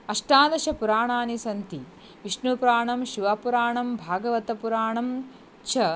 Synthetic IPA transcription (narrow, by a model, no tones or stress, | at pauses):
ɐʂʈaːd̪ɐʃɐpuɾaːɳaːnisɐnt̪i | ʋiʂɳupɾaːɳɐmʃiʋapuɾaːɳɐmbʱaːɡɐʋɐt̪ɐpuɾaːɳɐm | t͡ʃʰɐ